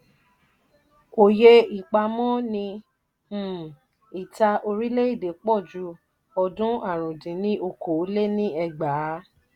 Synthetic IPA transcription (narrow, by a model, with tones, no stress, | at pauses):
o˨je˧i˨k͡pa˧mɔ̃˦nĩ˧˦˨ | i˨ta˧ʔo˧ɾi˦le˦i˦˨de˨k͡pɔ˦˨d͡ʒu˧˦ | ɔ˧dũ˦a˦˨ɾ̃ũ˨dĩ˨˦nĩ˦o˧ko˨˦le˦nĩ˦ɛ˧ɡ͡ba˨˦